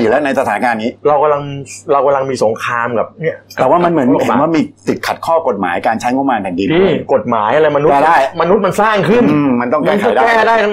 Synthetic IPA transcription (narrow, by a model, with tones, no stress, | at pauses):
uː˨˩ɛ˦˥wna˧js̬a˧t̪ʰaː˨˩na˦˥kaː˧nːiː˦˥ɾa˧wka˧la˧ŋɾa˧wka˧la˧ŋmiː˧so˨˩˦ŋkʰaː˧mka˨˩p̚ni˥˩ɐtɛː˨˩waː˥˩ma˧nmɯ˩˦ə˦e˦nwaː˥˩miː˧t̪i˨˩t̪̚kʰa˨˩t̪̚kʰɔː˥˩ko˨˩t̪̚ma̰ː˩˦jkaː˧nt͡ɕʰa˦˥jŋo˧˥˩maː˧npʰɛ˨˩ndi˧nː˧˩ko˨˩t̪̚maː˩˦jʔa˧ɾa˧jma˧nu˦ɛː˧˩daː˥˩jma˧nu˦˥t̪̚ma˧nsaː˥˩ŋkʰɯ˥˧˥nː˧ma˧nt̪ɔ˥˩ŋkaː˧˩˧kʰa˥˩˦daː˥˧ɛː˩˥˩daː˥˩j